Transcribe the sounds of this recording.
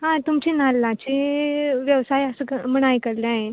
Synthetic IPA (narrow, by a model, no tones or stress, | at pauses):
ɦãt̪umt͡ɕinalːãt͡ɕiʋjəʋsajəsəkəməɽ̃ajkəɾleaɦe